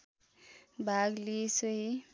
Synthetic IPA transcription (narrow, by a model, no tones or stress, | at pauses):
bʱaɡlesʌɦi